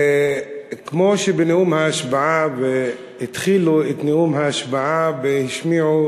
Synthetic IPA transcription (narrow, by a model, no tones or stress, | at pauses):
kmoʃebeneʔumhaaʃbaʕabe | hɪt̪χiːluet̪neʔumhaaʃbaʕabhɪʃmiʕu